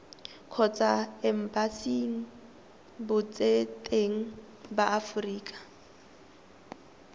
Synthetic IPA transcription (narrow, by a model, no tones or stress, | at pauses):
kʰɔt͡sʼaɛm̩basiŋ̩ | bʊt͡sʼetʼeŋ̩ | baʔafʊriːkʼḁ